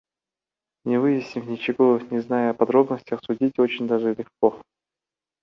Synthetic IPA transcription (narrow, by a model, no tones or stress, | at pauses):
nʲɪvɨjɪsʲnʲɪvnʲɪt͡ɕɪɡonʲɪznajɐpɐd̪ɾo̞bnəsʲtʲəxsʊdʲitʲo̞t͡ɕɪnʲd̪aʐɨlʲɪxko